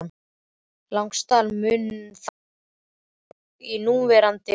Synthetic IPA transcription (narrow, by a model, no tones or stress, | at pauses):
n | lawŋkst̪aːlmʏnθ | inuːvɛɾant̪ɪ